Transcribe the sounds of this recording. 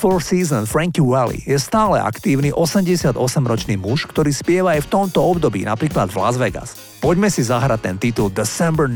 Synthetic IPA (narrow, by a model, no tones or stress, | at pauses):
fɔɾsiːzɔnfɾaŋkiwɛlḭjɛst̪aːlɛ̰ʔa̰kt̪iːʊniʔɔsɛmɟɛsɪad̪ɔsɛmɾɔt͡ʃniːmuʃkt̪ɔɾiːspɪɛʋaajft̪ɔmt̪ɔɔbd̪ɔbḭːna̰pɾiːklad̪vla̰zʋɛɡa̰s | pɔɟmɛsizaɦɾact̪ɛnt̪it̪uld̪ɛsɛmbɛ